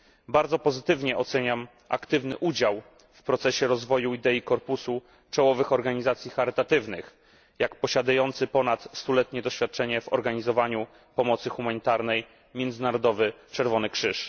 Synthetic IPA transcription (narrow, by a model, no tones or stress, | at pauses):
baɾd̪zɔpɔzɘt̪ɘvɲɛʔɔt̪sɛɲam | ʔa̰kt̪ɘvnɘʔud͡ʑaw | fpɾɔt̪sɛɕɛɾɔzvɔjuid̪ɛikɔɾpusu | t͡ʂɔwɔvɘxɔɾɡaɲizat̪sʲjixaɾɘt̪at̪ɘvnɘx | jakpɔɕad̪ajɔnt̪sɘpɔnat̪st̪ulɛt̪ɲɛd̪ɔɕfʲjat̪̚t͡ʂɛɲɛvɔ̰ɾɡaɲizɔvaɲu | pɔmɔt̪sɘxumaɲit̪aɾnɛj | mʲjɛnd̪zɘnaɾɔd̪ɔvɘt͡ʂɛɾvɔnɘkʂɘʂ